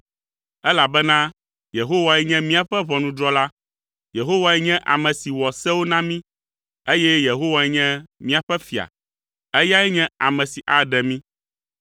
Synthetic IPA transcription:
ɛ˦la˨bɛ˦nã˦ | je˨ɦo˦wa˨ɛ˦ɲɛ̃˦mĩ˦a˨ɸɛ˦βɔ˨nũ˨d̪ɾɔ˦la˦ | je˨ɦo˦wa˨ɛ˦ɲɛ̃˦ʔa˨mɛ̃˨si˨wɔ˨sɛ˦wo˦nã˦mĩ˦ | e˦jɛ˦je˨ɦo˦wa˨ɛ˦ɲɛ̃˦mĩ˦a˨ɸɛ˦fi˨a̰˨ | ɛ˦ja˦ɛ˦ɲɛ̃˦a˨mɛ̃˨si˨ʔa˨ɖɛ˨mĩ˦

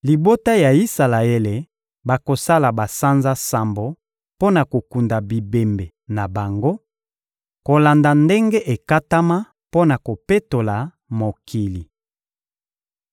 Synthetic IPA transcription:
li˨bo˦ta˦ja˨i˦sa˨la˨e˦le˨ | ba˨ko˨sa˦la˨ba˨sa˦nza˦sa˨mbo˨ | po˦na˨ko˨ku˨nda˨bi˨be˨mbe˨na˨ba˨ŋɡo˦ | ko˨la˨nda˨nde˦ŋɡe˦ʔe˨ka˦ta˦ma˦ | po˦na˨ko˨pe˦to˨la˨ | mo˨kʰi˨li˨

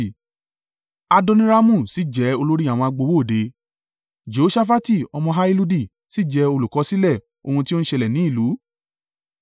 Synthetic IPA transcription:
a˧dɔ˧nĩ˦ɾa˦mũ˦˨si˨˦d͡ʒɛ˨˦o˧lo˦ɾi˦a˨w̃ɔ̃˧a˧ɡ͡bo˧wo˦˨de˧˦ | d͡ʒo˨o˦ʃa˦fa˦ti˦˨ɔ˧mɔ̃˧ɦa˦i˦lu˧di˦˨ | si˦d͡ʒɛ˨˧˦o˧lu˨kɔ˨˧˦si˦lɛ˦˨ | o̰˧hũ˧ti˦o˦n̩˦ʃe˧lɛ˨nĩ˨˦i˦˨lu˨˦

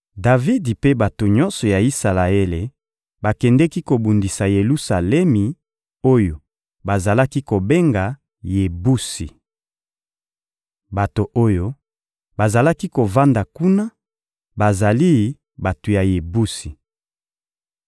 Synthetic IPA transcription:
da˨vi˦dpe˦ba˨to˨ɲɔ̃˦nsɔ˨ja˨i˦sa˨la˨e˦le˨ | ba˨kɛ˨ndɛ˦ki˦ko˨bu˨ndi˨sa˨je˨lu˦sa˨lɛ˦mi˨ | o˦jo˨ | ba˨za˨la˦ki˦ko˨be˦ŋɡa˨ | je˨bu˦si˨ | ba˨to˨ʔo˦jo˦ | ba˨za˨la˦ki˦ko˨va˦nda˨ku˦na˦ | ba˨za˨li˦ | ba˨to˨ja˨je˨bu˦si˨

